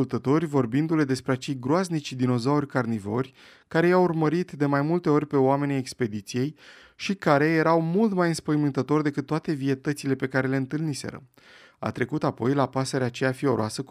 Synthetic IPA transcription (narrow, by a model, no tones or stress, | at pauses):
ult̪ət̪o̞rʲvo̞rbind̪ule̞d̪e̞spɾeat͡ʃe̞jɡɾoaznit͡ʃd̪ino̞zaurʲkarnivo̞rʲ | kaɾe̞jawurməɾit̪d̪e̞majmult̪e̞o̞rʲpe̞oame̞nʲajekspe̞d̪it̪sije̞j | ʃikaɾe̞je̞ɾawmult̪majɨnspəjmɨnt̪ət̪o̞rd̪e̞kɨt̪ːoat̪e̞vie̞t̪ət̪sile̞pe̞kaɾe̞le̞ɨnt̪ɨlnise̞̰ɾə̰ | a̰t̪ɾe̞kut̪apo̞jlapaseɾeat͡ʃejafio̞ɾoasə